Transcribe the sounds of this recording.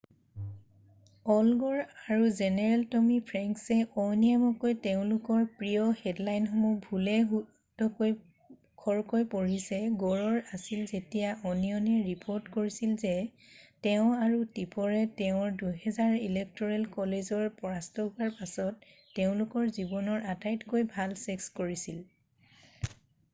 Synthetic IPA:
ɔlɡɔɹaɹuzɛnɛɹɛltɔmipʰɹɛŋksɛɔjniamɔkojteʊ̃lʊkɔɹpɹijɔhɛdlajnxɔmubʱulɛɦu | tɔkoj | kʰɔɹkojpoɹisɛɡɔɹɔɹasilzetijaʔɔnijɔnɛɹipʰoɹtkoɹisilzɛ | teʊ̃aɹutipɔɹɛteʊ̃ɹduɦɛzaɹilek̚tɔɹɛlkɔlezɔɹpɔɹastɔɦʊwaɹpasɔtː | eʊ̃lʊkɔɹzibɔnɔɹʔatajtkojbʱalsɛkskoɹisil

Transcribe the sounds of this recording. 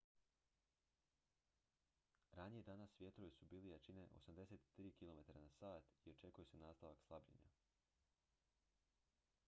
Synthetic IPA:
ɾanijed̪anasːʋje̞t̪ɾoʋisubiːlijat͡ʃineʔo̞̰samd̪e̞set̪ːɾiːkilˠo̞me̞t̪aɾanasaːt̪io̞t͡ʃe̞kujese̞naːst̪aʋakslˠabʎḛɲa̰

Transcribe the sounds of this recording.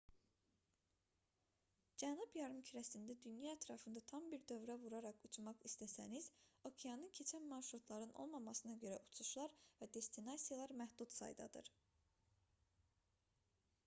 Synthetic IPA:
d͡ʒænubjɑɾɯmcʰiɾæsind̪æd̪ynjɑæt̪ʰɾɑfɯnd̪ɑt̪ʰɑmbiɾd̪ø̞vɾævuɾɑɾɑkut͡ʃʰmɑχist̪ʰæsæniz̥o̞kʰijɑnɯncʰe̞t͡ʃʰænmɑnʃɾut̪ʰlˠɑɾɯnʔo̞̰lˠmɑmɑsɯnɑɟø̞ɾæʔut͡ʃʰuʃlˠɑɾvæd̪e̞st̪ʰinɑsijɑlˠɑɾmæhd̪ut̪sɑ̰jd̪ɑ̰d̪ɯ̰ɾ̥

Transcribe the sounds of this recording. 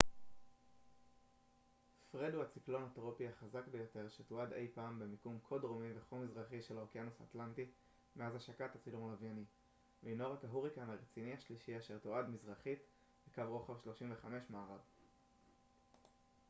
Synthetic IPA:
fʁeduhat͡siklo̞natʁopiaχazakbejo̞te̞ʁʃetoad̪e̞̰jpaːmbemikumkʰodʁomiveχomizʁaχiʃeloʁkianusa̰tlanti | meazaʃakatat͡silumlavani | vinoʁakaɦuʁikanaʁet͡sinihaʃliʃiaʃeʁtoadmizʁaχit | bekavʁo̞χavʃlo̞ʃimveχame̞ʃmaːʁav

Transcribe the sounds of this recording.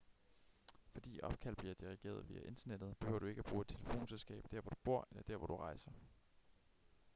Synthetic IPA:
fɒ̽d̥ḭːʔɒ̽b̥̚kʰæl̰̥b̥liɐd̥iʁiɡ̥e̝̰ːɐð̞ˠʋiːæʔe̝nd̥ɐned̥ð̩ˠb̥e̝hø̰ʊɐd̥ue̝ɡ̥əæb̥ʁuːed̥̚t͡sʰe̝lefo̝̰ːnselsɡ̥ɛ̰ːb̥d̥æɐʋɒd̥ub̥o̝ɐ̰elɐd̥æɐʋɒd̥uʁɑ̈ɪsɐ

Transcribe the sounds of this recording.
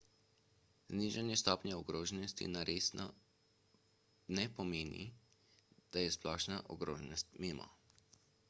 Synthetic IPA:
zniːʒanjɛst̪ɔːpɲjaɔɡɾoːʒɛnɔst̪ḭnaɾesn | nɛpɔmeːnḭ | d̪̥ajɛsplɔːʃnaʔɔ̰ɡɾoːʒɛnɔst̪meːmɔ̰

